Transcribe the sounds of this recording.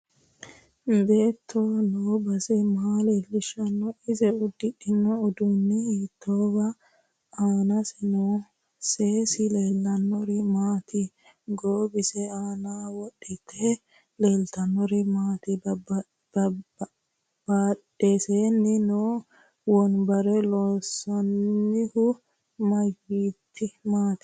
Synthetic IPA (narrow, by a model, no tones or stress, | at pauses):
be̞ːt̪ʰːonoːbɐsɛmaːleːlːɪʃɐnːɔɪzɛʊd̪ːɪkːɪnːɔɔd̪ʊnːɛhit̪ːoːbɐ | aːnɐsɛnoː | seːsɪleːlːɐnːɔɾɪmaːt̪ʰɪ | ɡoːbɪsɛaːnaːwɔɗɪt̪ʰe | le̞ːlt̪ɐnːɔɾɪmaːt̪ɪbb | b̥aːᶑeseːnːɪno | wɔnbɐɾɛlɔsɐnːɪhʊ | mɐjiːt̪ʰːɪmaːt̪ɪ̥